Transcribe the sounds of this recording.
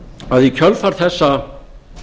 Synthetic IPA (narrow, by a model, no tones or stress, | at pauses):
aðicʰœlfaɾ̥θɛsːa